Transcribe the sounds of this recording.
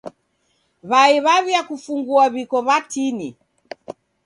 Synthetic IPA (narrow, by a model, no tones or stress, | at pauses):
βaiβaβjakufuŋɡuaβikɔβatini